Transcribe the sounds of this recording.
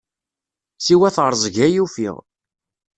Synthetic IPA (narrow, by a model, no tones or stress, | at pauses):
siwæθʁəɾˤzˤʝæjufḭʁ